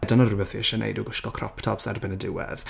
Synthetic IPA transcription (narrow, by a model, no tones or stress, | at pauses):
danərʊməθiʃɛnʔḛjduɡʊʃkɔkʰrɔ̰pʰtʰɔpsa̰rbɪnədɪwɛ̰ð